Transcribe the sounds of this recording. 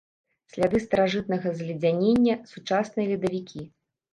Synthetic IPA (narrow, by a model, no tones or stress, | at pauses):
sʲlʲad̪ɨst̪ɐɾaʐɨt̪̚nɐɣɐzʲlʲid͡zʲanʲenʲːɐsut͡ʂasnɨjɐlʲid̪ɐvʲikʲʰi